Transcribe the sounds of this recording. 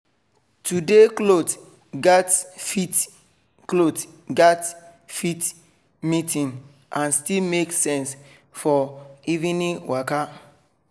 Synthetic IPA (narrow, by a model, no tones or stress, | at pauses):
tudeklot | ɡɛtit | klot | ɡɛtfit | mitĩn | ãnstilmeksɛ̃ns | fɔivĩniwʔaka